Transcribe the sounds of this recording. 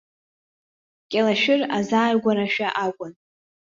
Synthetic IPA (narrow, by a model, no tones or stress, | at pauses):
kʲʼalaʃᶣɪrazaːjɡʷaɾaʃᶣaʔaɡʷʊn